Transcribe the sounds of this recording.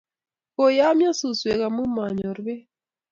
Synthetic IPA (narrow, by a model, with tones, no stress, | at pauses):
ko˨ja˦mja˦su˨swe˨ɣa˨mu˦ma˨ɲo˨ɾβe˦